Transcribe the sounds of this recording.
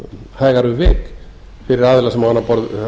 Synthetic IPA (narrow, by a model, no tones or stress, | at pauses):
haːjɣaɾʏvɪːk | fɪɾɪɾaːðɪlasɛmːawanːapɔɾð